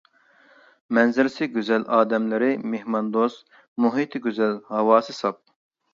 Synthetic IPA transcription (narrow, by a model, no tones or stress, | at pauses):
mɛnzɪɾɪsɪɡʲøzɛlʔɑːd̪ɛmlɪɾɪmehmɑnd̪os | muɦit̪ʰɪɡʲøzɛlhɑwɑːsɨsɑp̚